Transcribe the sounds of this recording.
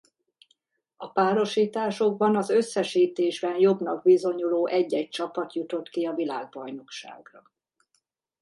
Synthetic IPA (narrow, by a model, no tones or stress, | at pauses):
ɒpaːɾo̞ʃiːt̪aːʃo̞ɡ̚bɒnɒzø̞sːɛʃiːt̪eːʒbɛnjo̞bnɒɡ̚bizo̞ɲuloːʔɛɟːɛc̚t͡ʃɒpɒt̪jut̪o̞t̪kiɒvila̰ːɡ̚bɒjno̞kʃa̰ːɡrɒ